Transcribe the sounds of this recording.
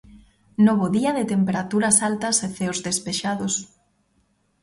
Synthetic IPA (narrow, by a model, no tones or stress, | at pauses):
noβ̞oðiɐðɪt̪empeɾat̪uɾɐsalt̪ɐseθeozðespeʃaðos